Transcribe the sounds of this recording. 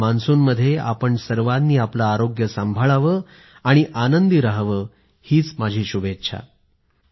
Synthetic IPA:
mansuːnməd̪ʱːjea̰pəɳsəɾʋad̪niːaplaːɾoɡjəsambʱaɭaʋəː | aɽ̃iʔanənd̪iɾaɦʋəː | hiːt͡smad͡ʑʱiːɕubetːɕʰa̰

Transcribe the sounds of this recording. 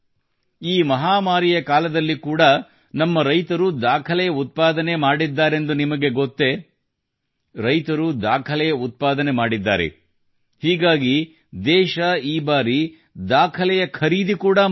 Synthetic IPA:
iːmɐɦaːmaːɾijɐkaːlɐd̪ɐlːikuːɽɐ | nɐmːɐɾɐjt̪ɐɾud̪aːkʰɐlɛjɐut̪̚paːd̪ɐne̞maːɽid̪ːaːɾe̞nd̪unimɐɡe̞ɡot̪ːe̞ | ɾɐjt̪ɐɾud̪aːkʰɐlɛjɐut̪̚paːd̪ɐne̞maːɽid̪ːa̰ːɾḛ | hiːɡaːɡi | d̪ɛːʃɐiːbaːɾi | d̪aːkʰɐlɛjɐkʰɐɾiːd̪ikuːɽɐ

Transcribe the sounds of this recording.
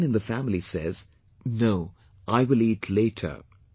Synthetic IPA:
nɨ̃nðəfæmlisɛ̰z̥ | noʊ | ʔaɪwɪlitʰleɪtʰə̰˞

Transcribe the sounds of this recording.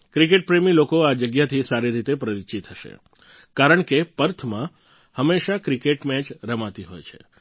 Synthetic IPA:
kɾikeʈ̚pɾemilokoad͡ʒəɡjat̪ʰisaɾiɾit̪epɾəɾit͡ʃit̪ʰːəʃḛ | kaɾəɳkepəɾt̪ʰmã | həmːeʃakɾikeʈmɛt͡ʃɾəmat̪iɦo̰jt͡ʃʰḛ

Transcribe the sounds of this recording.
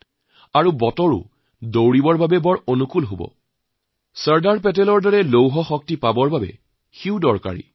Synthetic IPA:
aɹubɔtɔɹṵ | dowɹibɔɹbabɛbɔɹonukulɦobɔ̰ | səɹdaɹpɛtɛlɔɹdɔɹɛlowɦɔxɔk̚tipabɔɹbabɛ̰ | xiʊdɔɹka̰ɹḭ

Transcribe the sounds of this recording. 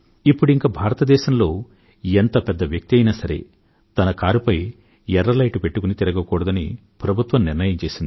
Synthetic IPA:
ipːuɽuiŋkaːbʱaːɾɐt̪ɐd̪ɛːʃɐmlo̞ː | ent̪ɐpɛd̪ːɐʋjɐk̚t̪iɐjinasɐɾe̞̰ | t̪ɐnɐkaːɾupɐj | ɛɾɐlɐjʈupe̞ʈːukunit̪iɾɐɡɐkɔːɽɐd̪ɐnḭ | pɾɐbʱut̪ʋɐmniɾnɐjɐmt͡ʃe̞ːsind̪i

